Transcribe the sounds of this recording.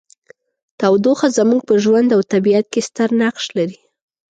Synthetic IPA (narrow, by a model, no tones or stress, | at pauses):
t̪awd̪oxazamuɡ̚pəʒwand̪awt̪abiat̪̚kest̪əɾnaqʃlaɾi